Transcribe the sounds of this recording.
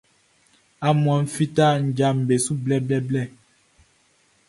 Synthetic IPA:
a˨mɔ˨n̩˦fi˦ta˦n̩˨d͡ʒa˨m̩˨be˨su˦blɛ˦blɛ˦blɛ˦˨

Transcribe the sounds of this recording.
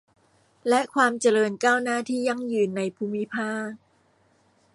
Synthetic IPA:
lɛ˦˥kʰwaː˧mt͡ɕa˧lɤː˧nkaː˥˩wnaː˥˩t̪ʰiː˥˩ja˧˩ŋjɯː˧nːa˧jpʰuː˧mi˦˥pʰaː˥˩k̚

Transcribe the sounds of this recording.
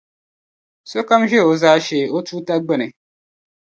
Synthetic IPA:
so˦ka˦mʒɛ˦˨o˨za˦ʃe˨o˦tuː˦ta˦ɡ͡bɛ˦nɨ˨

